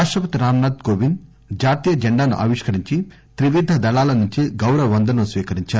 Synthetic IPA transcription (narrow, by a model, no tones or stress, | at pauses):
aːʂʈɾɐpɐt̪iɾaːmnaːd̪koːʋin | d͡ʒaːɾt̪iːjɐd͡ʒɐɳɖaːnṵʔa̰ːʋiʂkɐɾiɲt͡ʃi | t̪ɾiʋid̪ʱːɐd̪ɐlaːlɐnuɲt͡ʃiɡɐwɾɐʋʋɐnd̪ʱɐnusʋiːkɐɾiɲt͡ʃaːɾu